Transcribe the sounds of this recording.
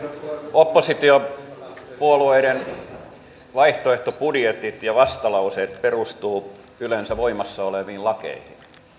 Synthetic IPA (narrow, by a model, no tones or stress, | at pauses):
opːosit̪io | puolueiɾen | ʋɑiht̪oeht̪opudjet̪it̪jɑʋɑst̪ɑlɑuset̪perust̪uː | ylensæʋoimɑsːɑoleʋiːllɑkḛihin